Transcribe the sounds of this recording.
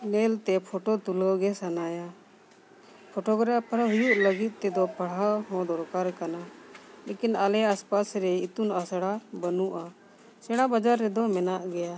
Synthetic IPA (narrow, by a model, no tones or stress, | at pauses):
nɛlt̪ɛpʰɔʈɔt̪uləwɡɛsanaja | pʰoʈɔɡɾapʰɽɦujuʔləɡit̪̚ˀt̪ɛd̪ɔpaɽ̤ahɔ̃d̪ɔɾkaɾkanalekinalɛaspasɾɛit̪unasɽabənuʔa | sɛɽ̃abad͡ʒaɾːɛd̪ɔmɛnaʔɡɛja